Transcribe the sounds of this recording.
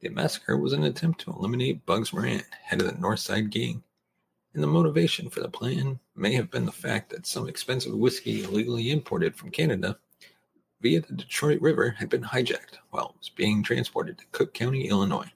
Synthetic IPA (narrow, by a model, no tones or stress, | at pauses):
ðiɨmæ̰sə̥kʰə̰˞wʌz̃n̩ɨtʰɛ̃mp̚tʰəə̰lɪ̃mɨneɪt̚b̥ʌɡzɹæ̰̃ndhɛɾʌvðɨ̰nɔɹθsaɪd̚ɡẽɪ̃m̃ | nðəmoʊɾəveɪʃɨ̃nfə˞ðə̰pʰl̥æ̃nmeɪɨvbɨ̃nðəfæ̰k̚t̪̚ðɨtsʌ̃mɨkspɛ̃nsɨ̰vwɪskḭɪliɡl̩ˠiɨ̃mpʰɔɹɾɨd̥fɹʌ̃mkʰænɨɾɨ | viɨðɨdɨtʰɹ̥ɔɪʔ̚ɹɪvə˞ɨd̚bɨ̃nhaɪd͡ʒæ̰k̚t̚waɪlˠzb̥iɪ̃ŋtʰɹ̥æ̰̃nspʰɔ̰ɹɾɨd̚tʰɨ̥kʰʊkʰãʊ̃ɾ̃iʔɪlˠənɔ̰ɪ